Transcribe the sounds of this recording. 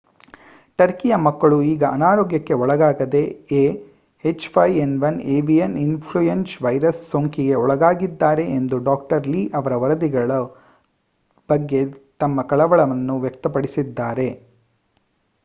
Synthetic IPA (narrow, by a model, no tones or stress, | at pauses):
ʈɐɾkijɐmɐkːɐɭuiːɡɐʔɐnaːɾoːɡjɐkːe̞ɔɭɐɡaːɡɐd̪e̞e | et͡ʃpʰɐjenʋɐneːbijɐninpʰɭujensʋɐjɾɐsːoŋkiɡe̞ɔɭɐɡaːɡid̪ːaːɾe̞ʔend̪uɖaːk̚ʈɐɾliːʔɐʋɐɾɐʋɐɾɐd̪iɡɐɭɐ | b̥ɐɡːe̞t̪ɐmːɐkɐɭɐʋɐɭɐʋɐnːuʋjɐkt̪ɐpɐɽisid̪ːaːɾe̞